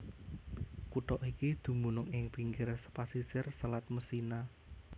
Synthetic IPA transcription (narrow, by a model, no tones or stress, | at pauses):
kuʈ̪ɔʔikid̪̥ṳmunʊŋɪŋpiŋɡɪrsə̥pasisɪrsəlat̪̚məsina